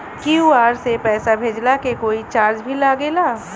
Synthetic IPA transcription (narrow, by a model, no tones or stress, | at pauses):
kjuaːɾsepɛːsabʱeːd͡ʒlakekoːit͡ʃaːɾd͡ʒbʱilaːɡeːlaː